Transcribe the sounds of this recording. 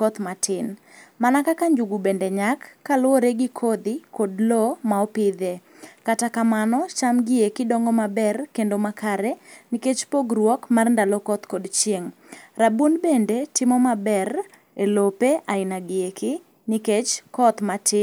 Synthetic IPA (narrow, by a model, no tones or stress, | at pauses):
kɔt̪matʰɪn | manakakaɲd͡ʒuɡubendeɲakːalʊoɾeɡɪkʰod̪ɪkodlɔmaɔpɪd̪e | katakamanɔt͡ʃamɡɪekɪdɔŋɡɔmabɛrkendomakʰaɾɛniket͡ʃpoɡɾwɔkmarndalɔkɔt̪kodt͡ʃjeŋrabonbendetɪmɔmabɛr | elopeʔaɪnaɡɪekɪ | niket͡ʃkɔt̪matʰɪ